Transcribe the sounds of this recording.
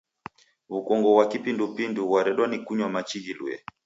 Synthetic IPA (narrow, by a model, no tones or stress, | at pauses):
ukɔŋɡɔwakipindupinduwaɾɛɗwanikuɲwamat͡ʃiɡilṵɛ̰